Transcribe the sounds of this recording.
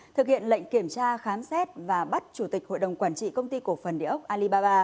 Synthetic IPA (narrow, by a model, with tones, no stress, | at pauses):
t̪ʰɨ˨˩k̚hḭ˧˨ənlə̰˧˨jŋ̟ki˧˩əmt͡ɕaː˧xaː˨˦msɛ˦˥t̚vaː˨˩ɓa˦˥t̚t͡ɕu˧˩t̪i˨˩k̚ho̰˧˨jɗə˨˩wŋ͡mkwaː˧˩nt͡ɕḭ˧˨kə˧wŋ͡mt̪i˧ko˧˩fə˨˩nɗi˧˩əʔə˦˥wk͡p̚ʔaː˧li˧ɓaː˧ɓaː˧